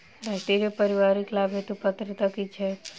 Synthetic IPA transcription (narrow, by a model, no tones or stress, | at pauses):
ɾasʈ̪eɾjopəɾiʋaɾiklabʱɦet̪ũpət̪ɾət̪əkit͡ʃʰe